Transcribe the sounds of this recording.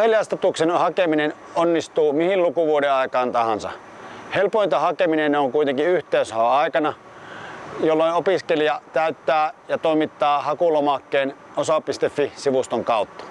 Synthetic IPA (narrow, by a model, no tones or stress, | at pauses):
heliɑst̪ɑt̪uksenhɑkeminen | ʔonːist̪uːmihillukuʋuoɾeɑˑikɑːnt̪ɑhɑnsɑ̰ | helpoˑint̪ɑhɑkeminenneoŋkuit̪eŋkiyht̪eˑyshɑɑˑikɑnɑ | jolːoˑinopiskelijɑt̪æyt̪ːæːjɑt̪oˑimit̪ːɑːhɑkulomɑkːeːn | osɑpist̪efːisiʋust̪oŋkɑˑut̪ːɑ̥